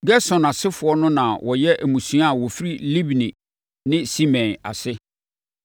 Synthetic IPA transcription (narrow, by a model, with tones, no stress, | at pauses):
ɡɛ˦sɔ̃˨na˨sɪ˦fʊ˨ɔ˦nʊ̃˦nã˨wʔɔ˨jɛ˦ʔæ˨mũ˨sũ˨˦a˦˨wɔ˨fi˦ɾi˦li˦bnĩ˨ | nɪ̃˦si˦mɛ̃˨na̰˨sɪ˦